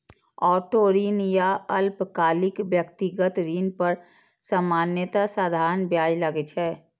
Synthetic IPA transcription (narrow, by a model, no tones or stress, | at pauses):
ɔːʈoɾiːnjaəlpkaːlikbjəkt̪iɡət̪ɾiːnpəɾ | səmaːnjət̪asad̪ʱaːɾənbjaːjləɡɛt͡ʃʰɛː